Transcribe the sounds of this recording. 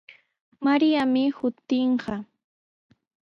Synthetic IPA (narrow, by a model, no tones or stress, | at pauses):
maɾijamɪhʊt̪ɪɴɢɑ